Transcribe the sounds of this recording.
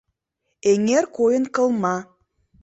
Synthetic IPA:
eŋerkojə̆nkə̆lˠmɑ

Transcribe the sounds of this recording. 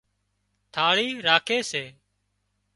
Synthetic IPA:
t̪ʰaːɭiːɾaːkʰeːseː

